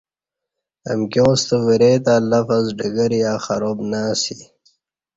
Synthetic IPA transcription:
ə̰mkjõːst̪əwiɾeːt̪aːlafazɖəɡəɾjaːxaɾoːbnaːsi

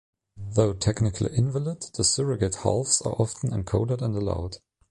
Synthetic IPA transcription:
ðoʊtʰɛknɪkʰl̩ˠḭʔɪ̃nvəlɪd̪ðəsɪɹəɡɨtha̰lˠfsə̰˞ʔɑfn̩ə̰̃nkʰoʊɾədə̃ndəla̰ʊd̥

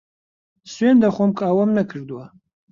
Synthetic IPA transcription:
sɥend̪aχʷɔmkʼaːwɐmnɐkʰɨɾd̪wa

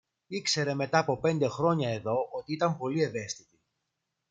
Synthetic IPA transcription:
ikse̞ɾe̞me̞t̪ɐːpo̞pe̞nd̪e̞xɾo̞ɲɐe̞ðo̞ot̪iit̪ɐmpo̞lie̞ve̞st̪it̪i

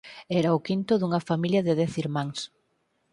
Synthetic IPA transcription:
ɛɾɐʊkint̪ʊðuŋɐfamiljɐðɪðɛθiɾmãŋs

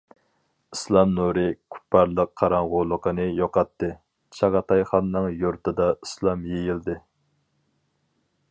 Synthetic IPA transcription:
islˠɑmnuɾɨkʲʰy̥pʰːɑɾlˠəqʰːɑɾɑŋʁʊlˠəqənɨjoqɑt̪ːɨ | t͡ʃʰɑʁɑt̪ʰɑjχɑnːɨŋjoɾt̪ɨd̪ɑislˠɑmjejild̪ɪ

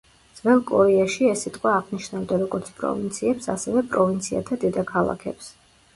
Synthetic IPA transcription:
d̪z̥vɛlˠkʼɔɾɛaʃiɛsit̪ʼqʼwaːʁniʃnavd̪aɾɔɡɔɾt̪sʰpʼɾɔ̰vint̪sʰiɛpsa̰sɛvɛpʼɾɔvint̪sʰia̰t̪ʰad̪id̪akʰalˠa̰kʰɛ̰ps

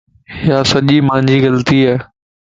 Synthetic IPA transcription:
ɪjaːsɐʄiːmãːɲd͡ʑiːɣɐlt̪iaː

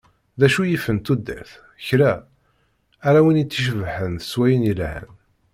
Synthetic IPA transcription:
ðæʃujifənt̪ud̪ːæ̰ɾθ | çɾæ | ɾawinit͡sːiʃ̬vħənθə̥swæjənilhə̰n

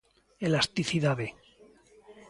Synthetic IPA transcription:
elast̪iθiðaðe

